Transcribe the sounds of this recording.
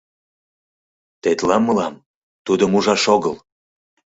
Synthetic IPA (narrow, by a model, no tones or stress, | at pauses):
t̪et̪lɑmːəlɑm | t̪ud̪əmuʒɑʃoɣəl